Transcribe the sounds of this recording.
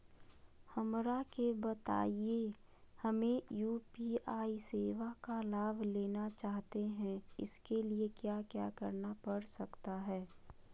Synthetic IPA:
hɐmɾakebət̪a̰ːie | hɐmẽjuːpiaːiseːʋakalaːbʱleːnat͡ʃaːɦt̪eɦɛ̃ɪ̰skeliekjaːkjaːkəɾnapɐɽsɐkt̪aɦɛː

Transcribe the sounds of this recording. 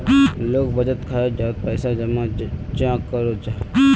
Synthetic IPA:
loːk̚bəd͡ʒət̪kʰajod͡ʒaːt̪̚pəɪsad͡ʒəmãt͡ʃãːkːəɾod͡ʒa

